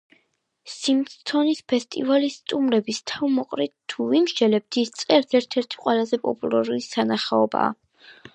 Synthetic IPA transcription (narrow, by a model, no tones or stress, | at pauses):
simst̪ʰɔnispʰɛst̪ʼḭvalist̪ʼumɾɛbist̪ʰavmɔqʼɾitt̪ʰːuimd͡ʒɛlɛb̚d̪ist̪sʼɛɾsʰɛɾt̪ʰɛɾt̪ʰi̥qʼwɛlˠazɛpʼɔ̰pʼulaɾulisanaχaɔba̰ː